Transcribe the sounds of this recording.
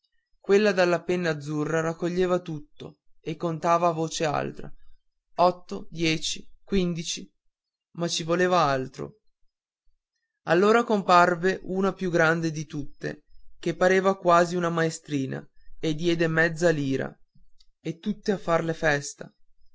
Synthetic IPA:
kwelːad̪alːapenːaːd̪zːurːaɾakːoʎːeːvat̪ut̪ːo̰ekːont̪aːvavoːt͡ʃea̰lt̪ɾa̰ | ɔt̪ːod̪jɛːt͡ʃikwind̪it͡ʃi | mat͡ʃːivoleːvaalt̪ɾo̰ | alːoːɾakomparveʔuːnapjuɡɾand̪ed̪it̪ut̪ːḛk̟epːaɾeːvakwaːziunamaest̪ɾiːna̰ed̪ːjɛːd̪emɛd̪zːaliːɾa̰ | et̪ːut̪ːeafːarlefɛst̪a

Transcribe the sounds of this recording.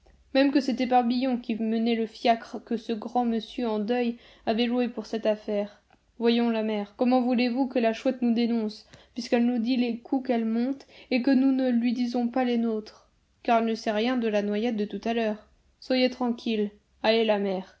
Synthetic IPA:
mɛmkəset̪ɛpaʁbijɔ̃kʲimənɛləfjakχkəsəɡʁɑ̃məsjøɑ̃d̪œj | avɛʒuwepuʁsɛt̪afɛʁ | vwajɔ̃lamɛʁkɔmɑ̃vulevukəlaʃwɛt̪nud̪enɔ̃spɥiskɛlnud̪ilekʰukɛlmɔ̃t̪ekənunəlɥid̪izɔ̃palenot̪χ | kaʁɛlnəsɛʁjɛ̃d̪əlanwajɛt̪̚d̪ət̪ut̪alœːʁ | swajet̪χɑ̃kʲʰil | alelamɛʁ

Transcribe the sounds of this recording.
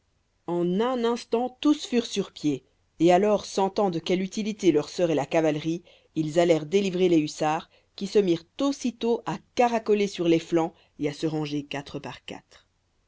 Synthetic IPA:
ɑ̃nɛ̃nɛ̃st̪ɑ̃t̪usfyʁsyʁpje | ealɔʁsɑ̃t̪ɑ̃d̪əkʲɛlyt̪ilit̪elœʁsœʁelakavalʁi | ilzalɛʁd̪elivʁeleysaːʁ | kʲisəmiʁt̪osit̪oʔakaʁakɔlesyʁleflɑ̃ | easəʁɑ̃ʒekat̪χəpaʁka̰t̪χ

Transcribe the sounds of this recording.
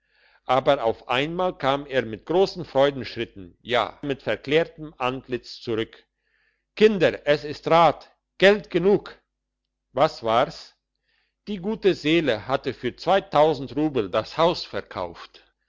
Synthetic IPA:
ʔaːbɐʔaʊfʔaɪnmaːlkʰaːmeːɐmɪt̚ɡ̥ʁoːsn̩fʁ̥ɔʏdn̩ʃʁ̥ɪtn̩ja̰ːmɪtfɛɐkl̥eːɐtəm̩ʔantlɪt͡st͡suʁʏk | kʰɪndɐʔɛsɪstʁaːt | ɡ̥ɛltɡ̥ənuːk | vasv̥aːʁs | d̥iːɡuːtəzeːləhatəfyːɐt͡sv̥aɪtʰaʊzn̩tʁuːbl̩dashaʊsfɛɐkʰa̰ʊft

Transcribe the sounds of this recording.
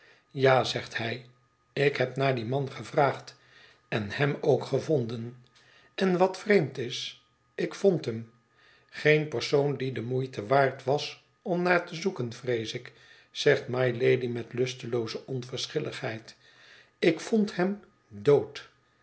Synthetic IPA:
jaːzɛχthɛj | ɪkɦɛpnaːɹdimɑnχəvraːχt | ɛnhɛmowkχəvɔndən | ʔɛnʋɑtfrejmtɪs | ɪkfɔntɦəm | χejnpəɹsowndidəmujtəʋaːɹtʋɑs | ɔmnaːɹtəzukənvrejsɪk | z̥ɛχtmɑjlejdimɛtlɵstəlowzəʔɔnvəɹsχɪləχhɛjt | ɪkfɔnthɛm | dowt

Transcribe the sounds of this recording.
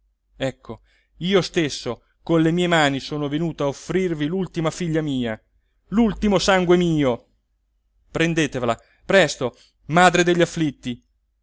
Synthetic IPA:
ɛkʰːo | iːost̪esːo | konlemiːemaːnisoːnovenuːt̪oaofːɾirvilult̪imafiʎːamiːa | lult̪imosaŋɡwemiːo | pɾend̪eːt̪evela | pɾɛst̪o | maːd̪ɾed̪eʎːafːlit̪ːi

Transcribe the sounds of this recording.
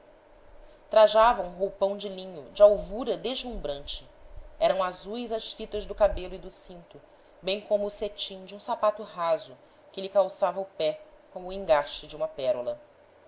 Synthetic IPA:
t̪ɾaʒavɐũɦowpɐ̃w̃d͡ʒɪlĩɲʊd͡ʒɪawvuɾɐd̪eʒlũmbɾɐ̃nt͡ʃɪ̥ɛɾɐ̃w̃azujzɐʃfit̪ɐʒd̪ʊkabelʊid̪ʊsĩnt̪ʊ | bẽj̃kõmʊːset͡ʃĩŋd͡ʒiũsapat̪ʊɦazʊ | kɪʎɪkawsavɐʊpɛ | kõmʊĩŋɡaʃt͡ʃɪd͡ʒiũmɐpɛɾulɐ

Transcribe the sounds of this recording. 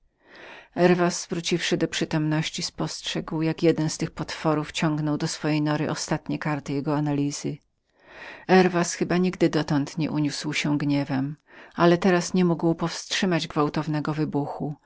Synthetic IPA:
ɛɾvasvɾut͡ɕifʂɘd̪ɔpʂɘt̪ɔmnɔɕt͡ɕispɔstʂɛɡwjakjɛd̪ɛnst̪ɘxpɔt̪fɔɾuft͡ɕɔŋɡnɔwd̪ɔsfɔjejnɔɾɘ̰ʔɔst̪at̪ɲɛkaɾt̪ɘjɛɡɔanalʲiz̥ɘ | ɛɾvasxɘbaɲiɡd̪ɘd̪ɔt̪ɔnt̪ɲɛʔuɲuswɕɛɡɲɛvɛmalɛt̪ɛɾasɲɛmuɡwpɔfstʂɘmad͡ʑɡvawt̪ɔvnɛɡɔvɘbuxu

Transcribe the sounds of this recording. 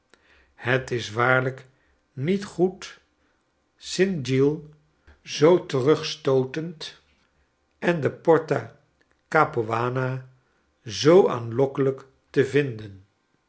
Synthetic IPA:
hətɪsʋaːɹlək | nitχut | sɪndilˠ | zowtərɵχstowtənt | ɛndəpɔɹta | kaːpoʋaːna | zowa̰ːnlɔkələk | təvɪndən

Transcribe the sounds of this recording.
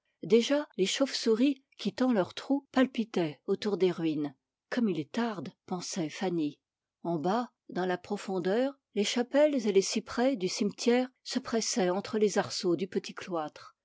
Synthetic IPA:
d̪eʒaleʃofsuʁi | kʲit̪ɑ̃lœʁt̪χupalpit̪ɛot̪uʁd̪eʁɥin | kɔmilet̪aʁd̪pɑ̃sɛfani | ɑ̃ba | d̪ɑ̃lapχɔfɔ̃d̪œːʁ | leʃapɛlzelesipχɛd̪ysimt̪jɛːʁsəpχɛsɛɑ̃t̪χəlezaʁsod̪ypət̪iklwat̪χ

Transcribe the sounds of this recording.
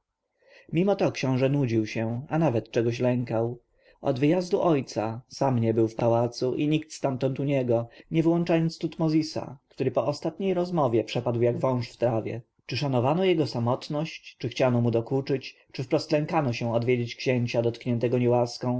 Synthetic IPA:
mʲimɔt̪ɔkɕɔ̃w̃ʐɛnud͡ʑiwɕɛanavɛt̪t͡ʂɛɡɔɕ̬lɛŋkaw | ʔɔ̰d̪vɘjazd̪uʔɔjt̪sasamɲɛbɘwfpawat̪suʔiɲikt̪st̪ant̪ɔnt̪uɲɛɡɔɲɛvɘwɔnt͡ʂajɔnt̪st̪ut̪mɔzʲisa̰kt̪uɾɘpɔʔɔst̪at̪ɲejɾɔzmɔvʲjɛpʂɛpad̪wjaɡvɔ̃w̃ʂft̪ɾavʲjɛ̰ | t͡ʂɘʂanɔvanɔjɛɡɔsamɔt̪nɔɕt͡ɕt͡ʂɘxt͡ɕanɔmud̪ɔkut͡ʂɘt͡ɕ | t͡ʂɘfpɾɔst̪lɛŋkanɔɕɛ̃ɔd̪vʲjed͡ʑet͡ɕkɕeɲt͡ɕad̪ɔt̪kɲɛnt̪ɛɡɔɲɛwaskɔ̃w̃

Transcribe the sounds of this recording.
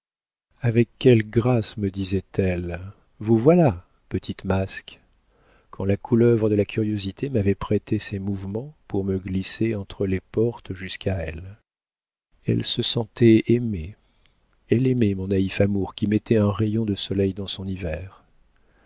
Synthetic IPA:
avɛkːɛlɡʁasməd̪izɛt̪ɛl | vuvwala | pət̪ʰit̪mask | kʰɑ̃lakʰulœvʁəd̪əlakʲʰyʁjozit̪ʰemavɛpχet̪esɛmuvmɑ̃puʁməɡliseɑ̃t̪χəlepɔʁt̪ʒyskaɛl | ɛ̰lsəsɑ̃t̪ɛeme | ɛlememɔ̃naifamuʁkʲimɛt̪ɛɛ̃ʁejɔ̃d̪əsɔlɛjd̪ɑ̃sɔ̃nivɛʁ

